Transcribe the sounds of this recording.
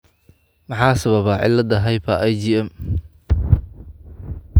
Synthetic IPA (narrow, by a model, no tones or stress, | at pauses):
mɑħɑːsɐβɐβaːʕɪ̰lːɐd̪ɐɦɐjfɐʔjd͡ʒiːɛm